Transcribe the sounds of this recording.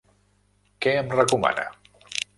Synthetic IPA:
kɛəmrəkuma̰nə̰

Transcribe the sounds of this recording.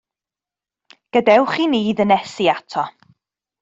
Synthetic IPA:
ɡ̥ədɛwχiniːðənɛsiatʰɔ

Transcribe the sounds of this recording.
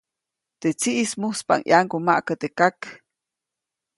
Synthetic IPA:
t̪et͡siʔismuspa̰ŋʔjaŋkomaʔkət̪ekak

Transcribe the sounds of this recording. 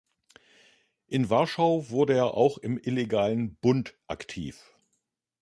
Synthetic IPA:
ʔɪnvaɐʃaʊvʊɐdəeːɐʔa̰ʊxɪmʔɪleɡaːlənb̥ʊntʔa̰ktʰḭːf

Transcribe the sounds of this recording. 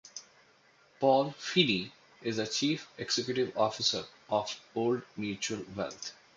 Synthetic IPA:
pɔːlfini | ɪzət͡ʃiːfeɡsekjʊʈɪʋɔːfɪsəɾɔːfoːlɖmjuːt͡ʃuəlʋɛ̰lt̪ʰ

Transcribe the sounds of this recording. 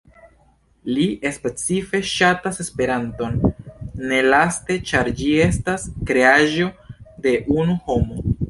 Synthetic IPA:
liʔe̞spe̞t͡sife̞ʃatase̞spe̞ɾanto̞nː | e̞laste̞t͡ʃaɾd͡ʒie̞staskɾe̞aʒo̞de̞ʔunuho̞mo

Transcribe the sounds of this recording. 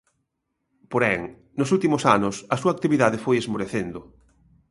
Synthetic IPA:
poɾɛŋ | nʊsult̪imʊsanʊsɐsuaːk̚t̪iβiðaðefojezmoɾeθend̪ʊ

